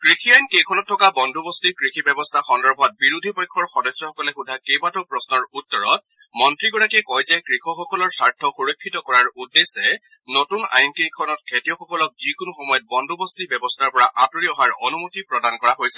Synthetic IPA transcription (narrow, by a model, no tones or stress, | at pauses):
kɹikʰiajnkejkʰɔnɔtʰːɔkabɔndʱubɔstikɹikʰibɛbɔstʰaxɔndɔɹbʱɔt̚biɹud̪ʱipɔjkʰːɔɹxɔdɔsɹɔxɔkɔlɛxudʱakejbatɔpɹɔsnɔɹutːɔɹɔt̚ | mɔntɹiɡɔɹakɛkɔjzɛkɹikʰɔxɔkɔlɔɹsaɹtʰɔxuɹɔkʰːitɔkɔɹaɹudːesɛ | notuna̰jnkikʰɔnɔt̚kʰetiɔxɔkɔlɔk̚zikunuxɔmɔjɔt̚bɔndʱubɔstibɛbɔstʰaɹpɔɹaʔatuɹiɔɦaɹɔnumutipɹɔdankɔɹaɦojsɛ̥